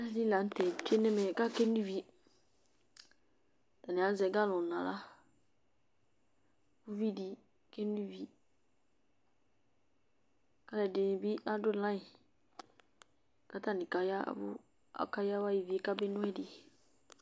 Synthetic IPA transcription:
a˦nĩ˦la˨n̩˦tʰɛ˨t͡ʃe˦nɛ̃˦mɛ̃˨ka˦kɛ˦n˦u˦vi˦ | da˨nɪ̃˨a˨˦zɛ˨ɡa˦lʊ̃˨nã˨la̰˦ | bʊ˦vi˦di˨ | kɛ̃˦n˦du˦vi˦ | ka˦lɛ˨dɪ˨n˨bi˦a˦dʊ˦˨lã˦ɪ˨ | ka˦ta˦˨nɪ̃˨ka˨ja̰˦bʊ̰˦ | a̰˨ka˦ja˦wa˦ji˨vi˨e˦ka˦bɪ˦nʊ̃˦ɛ˦dɪ˨

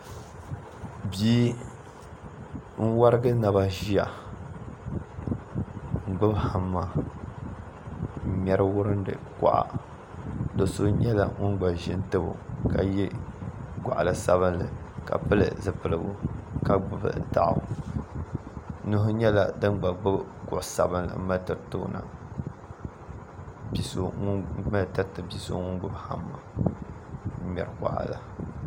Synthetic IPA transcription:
biː˦ | n̩˦wa˦ɾɨ˦ɡɨ˦na˨ba˦ʒi˦ja˨ | ŋ̩˨ɡ͡bʊ˦bha˨mːa˨ | mɛ˦ɾɨ˦wʊ˦ɾɨ˦ndɨ̰˨ka̰˨ʔa̰˨ | do˨so˦ɲɛ˦la̰˨ŋʊ˦nɡ͡ba˨ʒɪ˦n˦tɨ˦bʊ̰˨ka˨jɛ˦ | ɡʷa˨ʔa˨lɨ˨sa˦βɨ˦nlɨ̰˨ka̰˨pɨ˦lɨ̰˨zɨ˨pɨ˨lɨ˨ɡʊ˦ka˦ɡ͡bʊ˨bɨ̰˦˨da̰˨ʔʊ̰˨˦ | nu˦ɦʊ˦ɲɛ˦la˦dɨ˦nɡ͡ba˨ɡ͡bʊ˦bkʊ˨ʔʊ˨sa˨bɨ˦nlɨ̰˨m˦ma˦tɨ˨ɾto˦na̰˨ | bi˨so˦ŋ˦ma˦tɨ˦ɾtɨ˨bi˨so̰˦ŋʊ˦nɡ͡bʊ˦bha˦˨mːa˨˦ | mɛ̰˨ɾɨ˨kʷa̰˨ʔa̰˨la˨

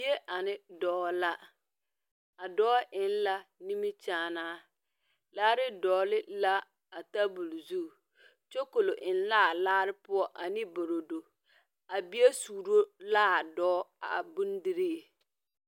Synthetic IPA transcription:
i˦e˦ʔa˨nɪ˦dɔː˨˦la˦ | a˨dɔː˦ʔɪ˦n˦la˦ni˦mi˦t͡ʃaː˨˦˨naː˦ | laː˦ɾɪ˦dɔː˨˦lɪ˦la˦ | a˨ta˦bu˨lzu˦˨ | t͡ʃɛ˦ko˨lo˨ʔɪ˨n˦la˦˨laː˦ɾɪ˦pʊ˦ɔ˦ʔa˨nɪ˦bo˨ɾo˨do˨ | a˨bi˦e˦suː˨ɾo˦la˦a˨dɔː˦a̰˨bu˦n˦dɪ˦ɾe˦˨

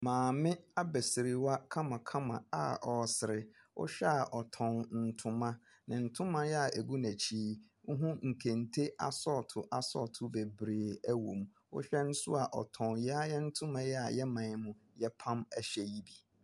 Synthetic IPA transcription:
mãː˨mɪ̃˦a˦bɛ˨sɪ˨ɾɪ˨wa˦kʰã˦mã˨kʰã˦mã̰˨a̰˨ʔɔ˨sɪ˨ɾɪ˦ | ʊ̰˦ɕᶣɛ˦a˨ʔɔ˨tʰɔ̃˨nn̩˨tʰʊ̃˨˦mã˦ | nã˨n̩˨tʰʊ̃˦mã˦jɛ˦a˨ʔe˨ɡu˦næ̃˨t͡ɕʰiː˦ | ŋ̩˦ɦũ˦ŋ̩˨kʰæ̃˨ntʰe˦ʔa̰˨sɔ˦tʰʊ˨ʔa˨sɔ̰˦tʰʊ˦be˨bɾeː˨æ˦wõ̰˨m | ʊ̰˦ɕᶣɛ˦nʊ̃˦sʊ̰˦a˨ʔɔ̰˨tʰɔ̃˨njɛ˦a˦jɛ˦n̩˦tʰʊ̃˦mã˦jɛ˦a˨jɛ˦mã˨˦mʊ̃˨jɛ˦pʰã˦mæ˦ɕɛ˨ji˦bi˨

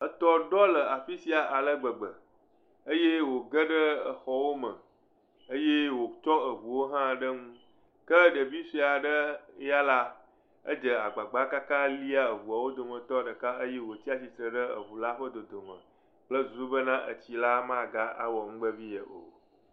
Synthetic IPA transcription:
ə˦t̪ɔ˦ɖɔ˦lə˨a˨fi˦si˦a˨ʔa˨lə˦ɡ͡bə˨ɡ͡bə˨ | ə˦je˦wo˨ɡə˦ɖə˦ə˨xɔ˦wo˦mə̃˨ | ə˦je˦wo˨t͡ʃɔ˦ə˨βu˨wo˦ɦã˦ɖə˦ŋũ˦ | kə˦ɖə˨bi˦si˦a˨ɖə˦ja˦la˦ | ə̰˦d͡ʒə˨a˨ɡ͡ba˨ɡ͡ba˦ka˦ka˦li˦a˦˨ə˨βu˨a˨wo˦d̪o˨mə̃˨t̪ɔ˦ɖə˨ka˦ə˦je˦wo˨t͡ɕi˦a˨si˨t̪ɾə˨ɖə˦ə̰˨βu˨la˦ɸə˦d̪o˨d̪o˨mə̰̃˨ | k͡plə˦zu˨su˦bə˦nã˦ʔə̰˨t͡ɕi˨la˦mã˦˨ɡa˦a̰˦wɔ˨ŋũ˦ɡ͡bə˦vi˦jə˨ʔo̰˨

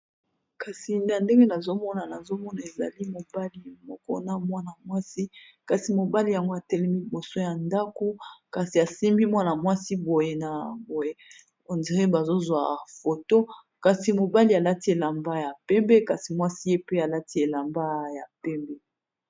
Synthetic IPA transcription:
ka˨si˨na˨nde˦ŋɡe˦na˨zo˦mɔ˦na˨na˨zo˦mɔ˦na˨e˨za̰˨li˦mo˨ba˦li˨mɔ˨kɔ˦na˦mwa˦na˨mwa˦si˦ | ka˨si˨mo˨ba˦li˨ja˨ŋɡo˦a˨tɛ˦lɛ˦mi˦bo˨so˦ja˨nda˦ko˦ka˨si˨a˨si˦mbi˦mwa˦na˨mwa˦si˦bo˨je˨na˨bo˨je˨ | o˨ndi˨ʁe˦ba˨zo˦zwa˨fo˨to˦ | ka˨si˨mo˨ba˦li˦a˨la˦ti˦e˨la˨mba˦ja˨pɛ˦mbɛ˦ka˨si˨mwa˦si˦je˦pe˦a˨la˦ti˦e˨la˨mba˦ja˨pɛ˦mbɛ˦

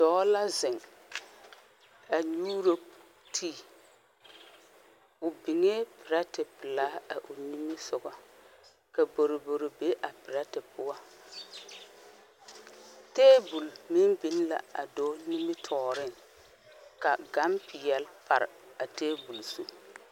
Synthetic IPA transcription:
d̥ɔː˨˦la˦zɪ˨ŋ | a˨ɲuː˦ɾo˦ | tʰiː˦ | ʊ˨bi˨ŋe˦pɪ˨ɾa˦tɪ˨pɪ˨laː˦a̰˨ʔʊ˨ni˦mɪ˦sʊ˨ɣa˨ | ka˨bo˨ɾo˨bo˨ɾo˨be˦ʔa˨pɪ˨ɾa˦tɪ˨pʊ˦wa˦ | teː˦bu˨lmɪ˦mbi˦n˦la̰˨a̰˨do˦ni˦mɪ˦tʰɔː˨ɾɪ˦ŋ | ka˨ɡa˨˦mpɪ˨jɛ˨lpa˨ɾɪ˨ | a˨teː˦bu˨lsu˦

